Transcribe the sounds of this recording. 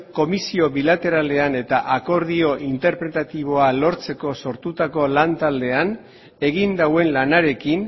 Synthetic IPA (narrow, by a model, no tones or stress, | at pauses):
ko̞misio̞βilat̪e̞ɾale̞ane̞t̪aʔako̞ɾðio̞ʔint̪e̞ɾpɾe̞t̪at̪iβ̞o̞alo̞ɾt͡se̞ko̞so̞ɾt̪ut̪ako̞lant̪ald̪e̞an | e̞ɣind̪awe̞nlanaɾe̞kin